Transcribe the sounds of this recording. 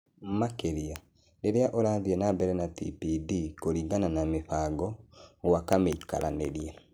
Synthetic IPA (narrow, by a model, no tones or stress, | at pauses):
makeɾia | ɾeɾeaʔoɾaːðiɛnabɛɾɛnatḭpidikoɾiːŋɡananameɸaɡɔɣwakameika̰ɾʔa̰neɾiɛ